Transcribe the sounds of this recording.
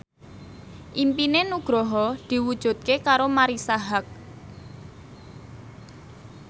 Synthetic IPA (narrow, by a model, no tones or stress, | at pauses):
ʔimpinenuɡ̥ɾɔɦɔd̪̥i̤wud̥ʒ̥ṳt̪̚kekaɾomaɾisaɦak̚